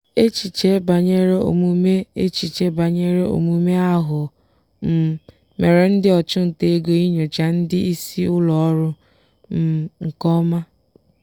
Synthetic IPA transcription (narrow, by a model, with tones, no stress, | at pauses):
e˦t͡ʃi˨t͡ʃe˦ba˨ɲe˦ɾe˦o̰˨mu˦me˦e˦t͡ʃi˨t͡ʃe˦ba˨ɲe˦ɾe˦o̰˨mu˦me˦a˦ɦʊ˨ | m̩˨ | me˨ɾe˨n̩˦dɪ˦ɔ˨t͡ʃʊ˦n̩˨te˦ɡo˨i˦ɲo˨t͡ʃa˦n̩˦dɪ˦i˦si˦ʊ˦lɔ˨ɔ˦ɾʊ˦ | m̩˨˦ŋ̩˨kɔ˦ma˦